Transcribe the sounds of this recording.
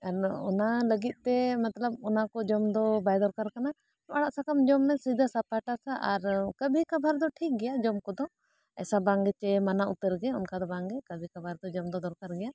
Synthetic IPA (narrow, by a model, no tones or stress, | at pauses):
aɾɔ̰naləɡit̪̚t̪ɛmat̪ləb̚ɔnakɔd͡ʒɔmd̪ɔbajd̪ɔɾkaɾkana | maɽaʔsakamd͡ʒɔmːɛsid̪asapaʈasaʔaɾkəbʱikabʱaɾd̪ɔʈʰik̚ɡɛjad͡ʒɔmkɔd̪ɔ | ɛ̰sabaŋɡɛt͡ʃɛmanaʔut̪əɾɡɛɔnkad̪ɔbaŋɡɛkəbʱikabʱaɾd̪ɔd͡ʒɔmd̪ɔd̪ɔɾkaɾɡɛja